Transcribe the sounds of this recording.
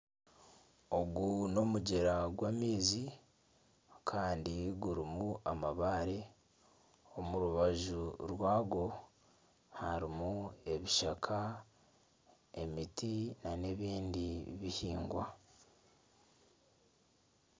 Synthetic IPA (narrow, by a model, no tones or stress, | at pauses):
o̞ɡuno̞muɟeɾaɡwaːmiːzi | kʰaːndiɡuɾimuamaβaːɾe | omuɾuβaʒuɾwaːɡo̞ | haɾimue̞βiʃakʰa | e̞mitinane̞βiːndiβihiːŋɡwa